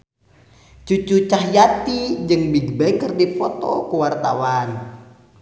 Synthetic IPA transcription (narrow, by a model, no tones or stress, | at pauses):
t͡ʃut͡ʃut͡ʃahjat̪id͡ʒəŋbiɡbɛŋkərdifɔt̪ɔ̰kuwart̪awan